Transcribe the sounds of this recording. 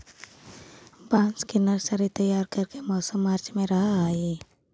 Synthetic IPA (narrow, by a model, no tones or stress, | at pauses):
bãːnskinəɾsəɾit̪əjaːɾkəɾkemɔːsəmːaːɾd͡ʒmẽɾɐɦaai